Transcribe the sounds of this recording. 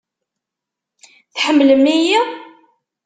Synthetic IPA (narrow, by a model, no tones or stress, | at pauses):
θħəmːləmːiji